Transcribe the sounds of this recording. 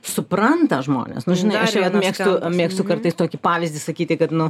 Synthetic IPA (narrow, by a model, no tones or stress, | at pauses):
sʊpɾɐnt̪ɐʒmo̰ːnʲḛsnʊʒʲɪnɐɪɐʃʲʋɐt̪mʲeːkst̪ʊmʲeːkst̪ʊkɐrt̪ɐɪst̪oːkʲɪpɑːʋʲɪzʲdʲɪsɐkʲiːt̪ʲɪkɐt̪nʊ